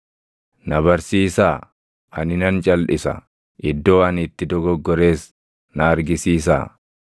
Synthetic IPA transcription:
nɐbɐɾsiːsaː | ʔɐnɪnɐnt͡ʃʼɐlᶑɪsɐ̰ | ʔɪd̪ːo̞ːɐnɪt̪ːɪd̪ɔɡɔɡːɔɾe̞ːs | nɐːɾɡɪsiːs̬a̰ː

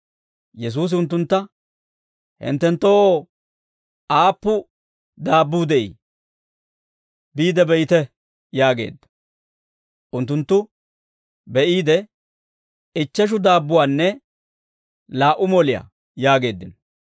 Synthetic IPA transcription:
jɛs̬uːs̬ɪʊnt̪̬ːʊnt̪ːɐ | hɪ̰nt̪ːɛnt̪ːo | ʔaːpːʊ | d̪aːbːuːd̪ɛʔḭ | biːd̪ɛbɛjɪt̪ɛ | jaːɡḛːd̪ːɐ̥ | ʔʊnt̪ːʊnt̪ːʊ | bɛʔiːd̪ɛ | ɪt͡ʃːɛʃ̬ʊd̪aːbːʊwaːnːɛ | laːʔʊmɔlɪja̰ | jaːɡe̞ːd̪ːɪnɔ

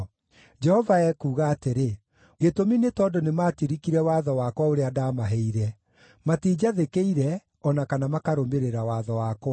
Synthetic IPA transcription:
d͡ʒɛhɔvaɛkuːɣaːteɾe | ɣetominetɔːdonematiɾikiɾɛwaːðɔwakwaoɾeadaːmaɦɛiɾɛ | matiːd͡ʑaðekeiɾɛ | ɔnakanamakaɾomeɾeɾawaːðɔwakwa

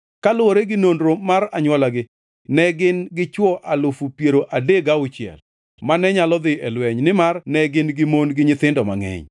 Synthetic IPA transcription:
kalʊoɾeɡɪnondɾomaraɲwɔlaɡɪ | nɛɡɪnɡɪt͡ʃwɔʔalʊfupjeɾoʔadeɡaʊt͡ʃɪɛ̰l | manɛɲalɔd̪ɪɛlwɛɲnɪmarnɛɡɪnɡɪmonɡɪɲɪt̪ɪndɔma̰ŋɛ̰ɲ

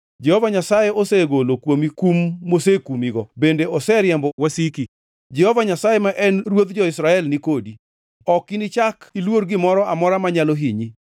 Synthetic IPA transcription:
d͡ʒɛhovaɲasajeoseɡolokwomikumːosekumiɡɔbendeɔsɛɾjɛmbɔwɛsiki | d͡ʒɛhovaɲasajemaʔɛnrwod̪d͡ʒɔɪsɾaɛlnikodi | ɔkːinit͡ʃakilwoɾɡɪmɔɾɔʔamɔɾamaɲaloɦiɲi

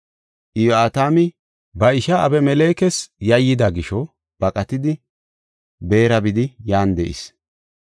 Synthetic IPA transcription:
ʔɪjoaːt̪aːmɪ | bɐɪʃɐɐbɛmɛleːkɛsjɐjːɪd̪ɐɡɪʃɔ | b̥ɐkʼɐt̪ɪd̪ɪ | be̞ːɾɐbɪd̪ɪjaːnd̪ɛʔɪ̰s

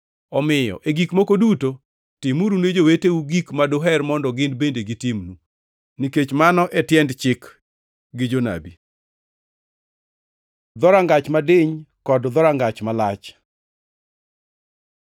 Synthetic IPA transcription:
ɔmɪjɔ̰ʔeɡikmokoduto | tɪmuɾuned͡ʒoweteuɡikmadoɦɛrmɔndɔɡɪnbendeɡitɪmnu | niket͡ʃmanɔʔɛtjɛndt͡ʃɪk | ɡɪd͡ʒona̰bi | d̪ɔɾaŋɡat͡ʃmadɪɲkɔdd̪ɔɾaŋɡat͡ʃmalat͡ʃ

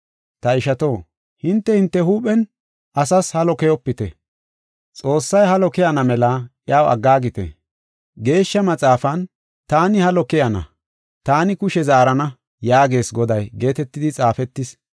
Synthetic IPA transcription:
t̪ɐɪʃɐt̪o̞ː | hɪnt̪ːɛhɪnt̪ːɛhuːpʼɛn | ɐsɐshɐlɔkɛjɔpːɪt̪ɛ̰ | t͡sʼo̞ːsːɐjhɐlɔkɛjɐnɐmɛlɐʔjaːwɐ̰ɡːaːɡɪt̪ɛ̰ | ɡe̞ːʃːɐmɐt͡sʼaːfɐn | t̪aːnɪhɐlɔkɛjɐnɐ̰ | t̪aːnɪkʊʃɛzaːɾɐnɐ | jaːɡe̞ːsɡɔd̪ɐjɡe̞ːt̪ɛt̪ːɪd̪ɪt͡sʼaːfɛt̪ːɪs

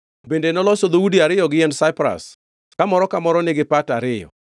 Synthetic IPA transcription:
bendenɔlɔsɔd̪owudiaɾɪjɔɡɪɛndsaɪpɾa̰s | kamɔɾɔkamɔɾɔnɪɡɪpataɾɪjɔ̰

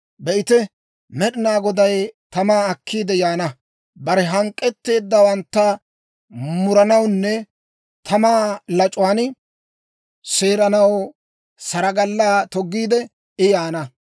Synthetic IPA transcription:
bɛʔɪt̪ɛ | mɛɗɪnaːɡɔd̪ɐjt̪ɐmaːkʰːiːd̪ɛjaːnɐ | bɐɾɛɦɐŋkʼːɛt̪ːe̞ːd̪ːɐwɐnt̪ːɐ | mʊɾɐnɐwnːɛ | t̪ʰɐmaːlɐt͡ʃʼwaːn | se̞ːɾɐnɐw | sɐɾɐɡɐlːaːt̪ɔɡːiːd̪ɛ | ɪjaːnɐ

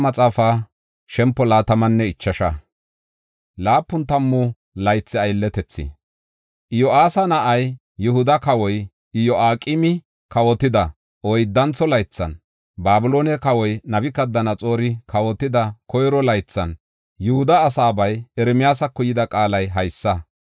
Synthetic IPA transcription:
mɐt͡sʼaːfaː | ʃɛmpːɔlaːt̪ɐmɐnːɛɪt͡ʃːɐʃɐ | laːpːʊnt̪ɐmːʊ | lɐjt͡sːɪɐjlːɛt̪ɛt͡sːɪ̰ | ʔɪjɔaːsɐnɐʔɐjː | ʊhʊd̪ɐkɐwɔj | ɪjɔʔaːkʼɪmɪ | kɐwɔt̪ɪd̪ɐ | ɔjd̪ːɐnt͡sːɔlɐjt͡sːɐn | baːbʊlo̞ːnɛkɐwɔjnɐbɪkɐd̪ːɐnɐt͡sʼo̞ːɾɪkʰɐwɔt̪ːɪd̪ɐkʰɔjɾɔlɐjt͡sːɐn | jʊhʊd̪ɐːsaːbɐjɛɾɛmɪjaːsɐkːʊjɪd̪ɐkʼaːlɐjɦɐjsːɐ

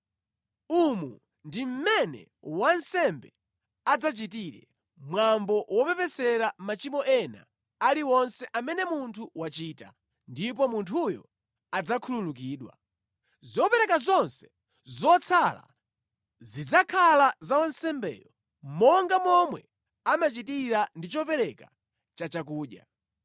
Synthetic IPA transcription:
umu | ndim̩mɛnɛ̰ | wansɛmbɛ | ad͡zat͡ʃitiɾɛ̰ | mwambɔwɔpɛpɛsɛɾamat͡ʃimɔʔɛna̰ | aliwɔnsɛʔamɛnɛmuntʰuwat͡ʃiːta̰ | ndip̬ɔmuntʰujɔ̰ | ad͡zakʰululuk̬iːɗwa̰ | zɔpɛɾɛkazɔnsɛ̥ | zɔt͡sʰala̰ | zid͡zakʰalazawansɛmbɛ̰ːjɔ | mɔŋɡamɔmwɛ | amat͡ʃitiɾandit͡ʃɔpɛɾɛka̰ | t͡ʃat͡ʃakuːɗja̰

